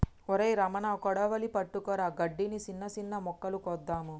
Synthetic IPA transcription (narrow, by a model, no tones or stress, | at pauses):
ɔɾɐjɾɐmɐnakɔɽɐʋɐlipɐʈːukɔːɾaːɡɐɖːinisinːɐsinːɐmɔkːɐlukɔːd̪ːaːmu